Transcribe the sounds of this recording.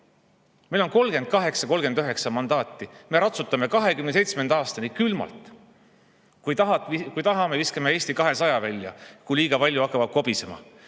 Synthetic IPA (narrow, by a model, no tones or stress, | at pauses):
mejlo̞nko̞lɡ̥e̞nd̪̚kɑɦe̞ksɑko̞lɡe̞nøɦe̞ksɑmɑnd̪ɑːt̪ːˑime̞ɾɑt̪sut̪ːˑɑmekɑɦe̞kymnese̞jt̪smend̪̥ɑːst̪ɑnikylmɑ̰lt̪ˑ | kujt̪ɑɑikujt̪ɑɦɑme̞viskeme̞eːsʲt̪ikɑɦesɑjɑvælʲjɑkujliːɡ̥ɑpɑlʲjuɑkːˑɑvɑd̪̥̚ko̞bisemɑ̰